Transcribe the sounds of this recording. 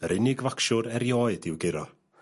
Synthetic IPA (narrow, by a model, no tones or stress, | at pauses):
əɾʔɪnɪɡvakʃʊɾɛɾjɔːɨdɪwɡɪɾɔ